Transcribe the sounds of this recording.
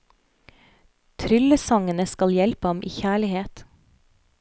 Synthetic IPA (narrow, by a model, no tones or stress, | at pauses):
t̪ʰɾʏləsɑŋənəskɑljɛlpəɑmʔiːçæːɭɪheːt̪